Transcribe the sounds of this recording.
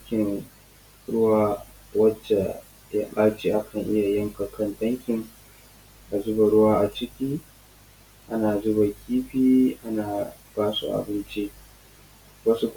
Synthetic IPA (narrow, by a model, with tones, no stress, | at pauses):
kʲɪ˨n | ɽʊ˦waː˦ | wɐ˦t͡ʃːa˨ | ja˦ɓʼaː˦t͡ʃiː˨ʔa˦kʰɐ˨ŋʔɪ˦ja˨jɐ˦ŋka˨kɐ˦˨ntɐ˦ŋkʲɪ˨ŋ | ʔa˨zʊ˦ba˨ɽʊ˦waː˦ʔa˨t͡ʃɪ˦kʲiː˦ | ʔa˦naː˨zʊ˦ba˨kʲiː˦ɸiː˦ʔa˦naː˨ | b̥aː˦sṵ˨ʔa̰˨bɪ˦nt͡ʃi˦ʔ | wɐ˦su˦k